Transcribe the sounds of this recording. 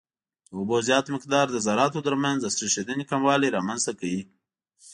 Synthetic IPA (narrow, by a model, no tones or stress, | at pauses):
ʊbozjɑt̪mɪq̚d̪ɑɾd̪əzaɾɑt̪ot̪əɾmanzd̪əsɾiʃed̪ənekamwɑliɾɑmanzt̪akawi